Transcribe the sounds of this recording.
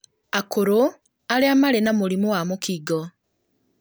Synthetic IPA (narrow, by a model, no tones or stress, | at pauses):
akoɾo | aliamalenamulimuwamukiɡo